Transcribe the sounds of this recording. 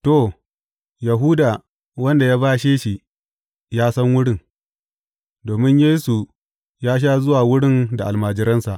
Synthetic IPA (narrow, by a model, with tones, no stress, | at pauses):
to˦˨ | ja˨ɦuː˦da˨ | wɐ˦nda˨jaː˦baː˦ʃeː˦ʃi˨ | jaː˦sɐ˦ŋwʊ˦ɽɪ˦˨n | doː˨mɪ˦ɲjeː˦su˨ | jaː˦ʃ̬aː˦zʊ˦waː˨wʊ˦ɽɪ˦nda˨ʔa˨lmaː˨d͡ʒɪ˦ɾɐ˦nsa˨ʔ